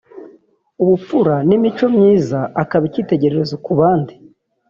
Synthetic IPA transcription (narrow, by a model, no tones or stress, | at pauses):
uβup͡fuɾanimit͡ʃo̞mɲiːzaakaβiciːte̞ɟe̞ɾe̞ɾezokuβaːndi